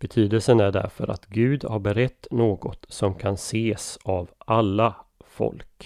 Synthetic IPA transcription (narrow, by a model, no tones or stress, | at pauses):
b̥ɛt̪ʰyːd̪əlsənæɖæ̰ɾfœ̰ɾʔa̰t̪ɡʉ̟ːd̪haɾbɛɾɛt̪ːnoːɡɔt̪sɔmkʰanseːsavʔalːafɔ̰lk